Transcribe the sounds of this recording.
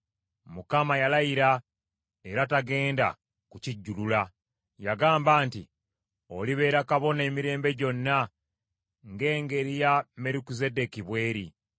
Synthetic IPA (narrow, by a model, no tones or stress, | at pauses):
mukamajalajiɾa | eɾataɡe̞ːnda̰ | kuciɟːulula | jaɡaːmbaːntḭ | o̰liβe̞ːɾakaβo̞ne̞ːmiɾe̞ːmbe̞ɟo̞nːa | ŋɡe̞ːŋɡe̞ɾijame̞ɾukize̞de̞kiβwe̞ːɾḭ